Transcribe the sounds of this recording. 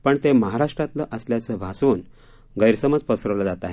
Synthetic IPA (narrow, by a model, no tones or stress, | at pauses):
pəɳt̪eməɦaɾaʂʈɾat̪ləʔəsljat͡səbʱasʋun | ɡəjɾsəməd͡zpəsɾəʋləd͡zat̪aɦe